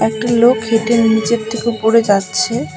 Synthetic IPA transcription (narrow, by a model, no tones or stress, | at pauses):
ɛk̚ʈalokɦeʈeninit͡ɕeɾt̪ʰekeupoɾed͡ʑatːɕʰe